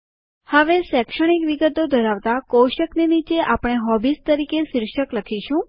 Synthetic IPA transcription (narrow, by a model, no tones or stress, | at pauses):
həʋesɛkʃəɽ̃ikʋiɡət̪od̪ʱəɾaʋt̪akoʃəknenit͡ʃeʔapɽ̃eɦɔbist̪əɾikesɪɾʃəkləkʰiʃũ